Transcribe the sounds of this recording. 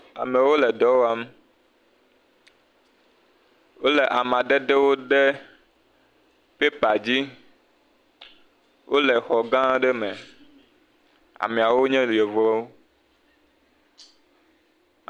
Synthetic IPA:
a̰˨mẽ˨wo˦lɛ˨d̪ɔ˦wo˦a˦m˦ | wo˦le˨ʔa˨mã˨ɖe˦d̪e˦wo˦ɖe˦ | pe˦pa˨d͡ʑi˦ | wʔo˦le˨xɔ˨ɡã˦ɖe˦mɛ̃˨ | a̰˨mẽ˨a˨wo˦ɲɛ̃˦li˨e˨vɔ˦wo˦

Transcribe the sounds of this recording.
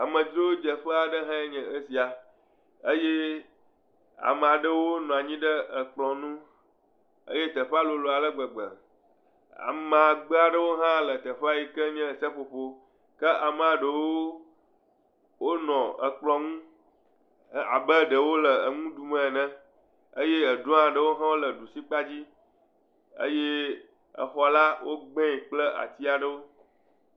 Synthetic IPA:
a˨mə̃˨d͡ʒ̪ɾo˦wo˦d͡ʒə˨ɸə˦a˨ɖə˦ɦã˦e˦ɲɛ̃˨ə˦si˨a˨ | ə˦je˦ | a̰˨mə̃˨a˨ɖə˦wo˦nɔ̃˨a˨ɲĩ˦ɖə˦ə˨k͡plɔ̃˨nũ˦ | ə̰˦je˦t̪ə˨ɸa˦lo˨lo˨a˨lə˦ɡ͡bə˨ɡ͡bə̰˨ | a̰˨m˨a˨ɡ͡bɛ˦a˨ɖə˦wo˦ɦã˦lə˨t̪ə˨ɸa˦ji˨kə˦ɲɛ̃˦˨sə˦ɸo˨ɸo˦ | kə˦ʔa˨m˦˨ã˨ɖə˨wo˦ | wo˦nɔ̃˨ə˨k͡plɔ˦ŋũ˦˨ | a̰˨bə˦ɖə˨wo˦lə˨ə˨ŋũ˦d̪u˨mə̃˦˨nɛ̃˦ | ə˦je˦ə˨ɖõ˦ã˨ɖə˦wo˦ɦã˦wo˦lə˨ɖu˨si˦k͡pa˦d͡ʑi˦ | ə̰˦je˦ | ə̰˨xɔ˨la˦wʔo˦ɡ͡bẽ˦˨k͡plə˦a̰˨t̪i˦a˨ɖə˦wo˦

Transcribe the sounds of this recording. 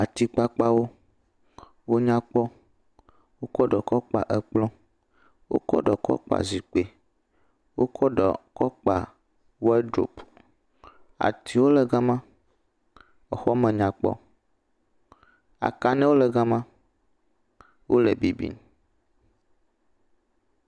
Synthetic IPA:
a˨t̪i˨k͡pa˦k͡pa˦wo˦ | wo˦ɲã˦k͡pɔ˦ | wo˦kɔ˦ɖɔ˨kɔ˦k͡pa̰˨ʔɛ˦k͡plɔ̃˦ | wo̰˦kɔ̰˦ɖɔ˨kɔ̰˦k͡pa̰˨zi˨k͡pe˨ | wo̰˦kʰɔ˦ɖɔ̰˨kɔ˦k͡pa˨ | wo˦ɛ˦ɖɾo̰˨p | a̰˨t̪i˨wo˦lɛ˨ɡa˦mã˦ | ɔ˨xɔ˦mɛ̃˨ɲã˨k͡pɔ̰˦ | a̰˨ka˦nɛ̃˦wo˦lɛ˨ɡa˦mã˦ | wʔo˦le˨bi˨bḭ˦˨n

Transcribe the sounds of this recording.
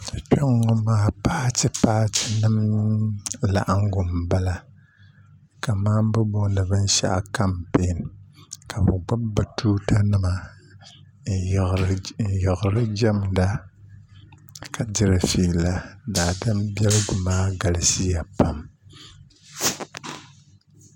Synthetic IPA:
t͡ʃo˦ŋːɔ˦maː˦paː˦tɨ˨paː˦tɪ̥˨nɨ˦m | la̰˨ʔa˦ŋ˦ɡʊ˨mba˦la˨ | ka˨maː˦m˦bɨ˦bo˦nɨ˨bɨ˦n˦ʃa̰˦ʔa̰˨ka˦mpe˨˦nkʰa˨bɨ˨ɡ͡ba˦ba˨tʰuː˦ta˦nɨ˦ma˨ | n̩˨jɪ˨ɣʊ˨ɾɨ˦d͡ʒa˦m˨da˦ | ka˨dɪ˦ɾɨ˨fi˨la˨daː˨dɨ˦mbɛ˦lɨ˦ɡʊ˨maː˦ɡa˨la˨si˦ja˨pa˦m

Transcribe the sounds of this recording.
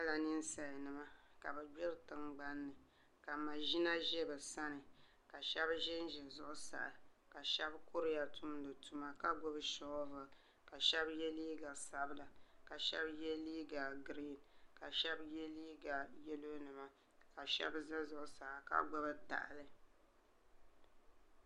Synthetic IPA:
a˦la˨nɨ˦n˦sa˨jnɨ˨ma˦ka˨bɛ˨ɡ͡bɪ˦ɾtɨ˨ŋɡ͡ba˦nːɨ˨ | ka˨ma˨ʒi˦na˦ʒɛ˦bɛ˨sa˦nɨ˨ | ka˨ʃɛ˦bʒɪ˦n˦ʒɪ˨zʊ˨ʔʊ˦sa̰˨ʔa˨ka˨ʃɛ˦bko˦ɾɪ˦ja˨tu˦m˦dɨ˨tu˦ma˦ka˦ɡʊ˦bʃɔ˦vɨ˨ | ka˨ʃɛ˦bjɛ˦liː˦ɡa˨sa˦bla˨ka˨ʃɛ̰˦bjɛ˦liː˦ɡa˨ɡɾi˦˨nka˨ʃɛ˦bjɛ˦liː˦ɡa˨jɛ˦lo˦nɨ˨ma˨ | ka˨ʃɛ̰˦bza˦zʊ˨ʔʊ˨sa˨ʔa˨ka̰˦ɡ͡bʊ˨bɨ˦ta̰˨ʔlɨ˦

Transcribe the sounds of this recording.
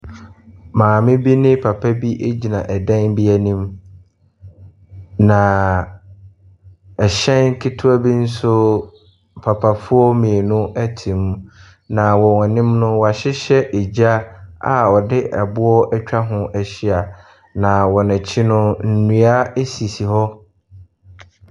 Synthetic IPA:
mãː˨mɪ̃˦bi˦nɪ̃˦pʰa˨pʰa˦bi˦ʔe˦d͡ʑi˨nã˨ʔɛ˨dã˦nbi˦æ˨nĩ˦m | nã˨ | ɛ˨ɕɛ̃˦nkʰɪ˦tʰʊ˦a˦bi˦n̩˦sʊ˦ | pʰa˨pʰa˨fʊ˦ɔ˦mĩ˨e˨nʊ̃˦ʔæ˦tʰĩ˨m̃˦ | nã˨wɔ˨ŋã˨nɪ̃˦mnʊ̃˦wɔ˨a˨ɕɪ˦ɕɛ˦ʔe˨d͡ʑa˦a˨ɔ˨dɪ˦ʔɛ̰˨bʊ˦ɔ˦ʔɛ˦t͡ɕᶣa˦ɦʊ̃˦ʔɛ˨ɕɪ˦a˨ | nã˨wɔ˨nɛ̃˨t͡ɕʰi˦nʊ̃˦n̩˨nũ˨a˦e˦si˨si˨ɦɔ˦

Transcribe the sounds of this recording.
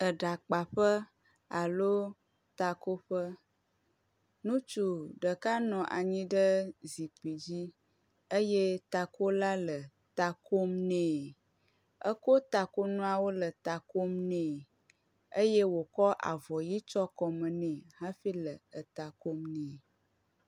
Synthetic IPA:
ə˨ɖa˨k͡pa˨ɸə˦ | a˨lo˦ | t̪a˨ko˦ɸə˦ | nũ˦t͡ʃu˨ɖə˨ka˦nɔ̃˨ʔa̰˨ɲĩ˦ɖə˦zi˨k͡pi˨d͡ʑi˦ | ə˦je˦t̪a˨ko˦la˦lə˨ | t̪a˨ko˦mnɛ̃ː˨ | ə̰˦ko˦t̪a˨ko˦nũ˦a˦wo˦lə˨t̪a˨ko˦mnɛ̃˨ | ə˦je˦wo˨kɔ˦ʔa̰˨vɔ˨ji˦t͡ʃɔ˦kɔ˨mə̃˨nɛ̃˨ɦã˦ɸi˦lə˨ə˨t̪a˨ko˦mnɛ̃˨

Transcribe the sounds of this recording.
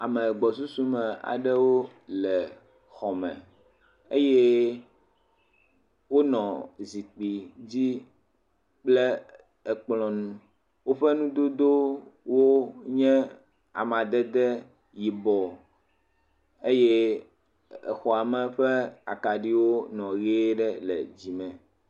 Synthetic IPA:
a˨mɛ̃˨ɡ͡bɔ˨su˦su˦mɛ̃˨a̰˨ɖɛ˦wo˦lɛ˨ | xɔ˨mɛ̰̃˨ | e˦jɛ˦ | wo˦nɔ̃˨zi˨k͡pi˨d͡ʑi˦ | k͡plɛ˦ | ɛ˨k͡plɔ̃˨nũ˦ | wo˦ɸɛ˦nũ˦d̪o˦d̪o˦wo˦ɲɛ̃˦ | a̰˨mã˨d̪ɛ˦d̪ɛ˦ | ji˨bɔ˨ | e˦jɛ˦ | ɛ̰˨xɔ˨a˨mɛ̃˨ɸɛ˦a̰˨ka˨ɖi˦wo˦nɔ̃˨ɣe˦ɖɛ˦lɛ̰˨d͡ʑi˨mɛ̃˨

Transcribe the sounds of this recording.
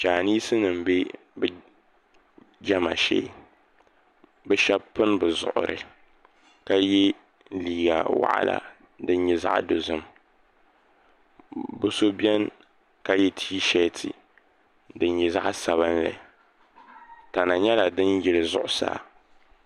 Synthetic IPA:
t͡ʃaː˨ni˦sɨ˦nɨ˨m̩˨be˦ | bɨ˨ | d͡ʒa˦ma˨ʃḛ˦ | bɨ˦ʃɛ˦bpɨ˦nbɨ˨zʊ̰˨ʔʊ̰˨ɾɨ̰˨ | ka˦jɛ˦ | liː˨ɡa˨wa̰˦ʔa̰˦la̰˨ | dɨ˦n˦ɲɛ˦za̰˦ʔdo˨zɨ˦m | bu˦so˦bɛ˦n | ka˦jɛ˦tʰiː˦ʃɛ˦tʰɨ̰˨ | dɨ˨nɲɛ˨za̰˦ʔsa˨βa˦nlɨ̰˨ | ta˨na˨ɲɛ˦la˨dɨ˦njɪ˦lɨ˨zʊ˦ʔʊ˦sa̰ː˦˨

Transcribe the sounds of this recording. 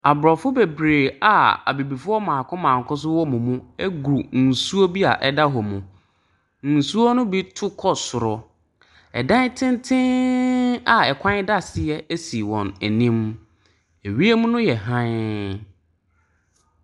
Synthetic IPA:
a˨bɾɔ˨fʊ˦be˨bɾeː˨a̰˨a̰˨bi˨bi˨fʊ˦ɔ˦mãː˨kʰʊ̃˦mã˨ŋ̩˨kʰʊ̃˦s̬ʊ˦wɔ˦mũ˨mũ˦ɛ˦ɡɾu˨n̩˨su˦o˦bi˦a˨ʔɛ˦da˦ɦɔ˨mũ˨ | n̩˨su˦o˦nʊ̃˦bi˦tʰʊ˦kʰɔ˦sʊ˨ɾɔ˨ | ɛ̰˨dã˦n˦tʰɪ̃˦ntʰɪ̃˦ | a˨ɛ˨kʷʰã˦da˦sɪ˨jɛ˦æ˦si˨wɔ̰̃˨næ˨nĩ˦m | e˨ɥi˦e˦mũ˦nʊ̃˦jɛ˨ɦã˦

